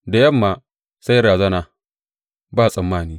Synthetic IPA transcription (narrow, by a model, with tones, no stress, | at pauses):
da˨jɐ˦˨mːaː˨ | sa˦jɾaː˨zɐ˦naː˨ | baː˦˨sʼɐ˨mːaː˦˨niː˦